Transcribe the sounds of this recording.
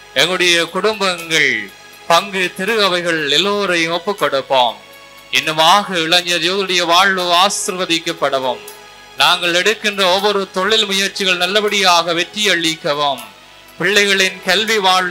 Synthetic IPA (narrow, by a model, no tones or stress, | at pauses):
ɛŋɡɐɭɯɽɐjɐkʊɽʊmbɐŋɡɐɭ | pɐŋɡɯt̪ɪɾɯɐʋɐɪɣɐɭɪlːoːɾɐɪɔpːɯkːɔɽɯpːa̰ːm | ɪnːɯmaːɣɐɪɭɐɲd͡ʒɐjoːðɐɯɽɐjɐʋaːɻɯaːsɪɾʋɐðɪkːɐpːɐɽɐʋɯm | naːŋɡɐɭɛɽɯkːɪndrɐɔʋːɔɾɯt̪ɔɭːɪlmʊjɐɾt͡ʃːɪɣɐɭnɐlːɐbɐɽɪjaːɣɐʋɛʈːɪjɐɭːɪkːɐʋɐm | pɪɭːɐɪɣɐɭɪnkɐlʋiʋaːɭ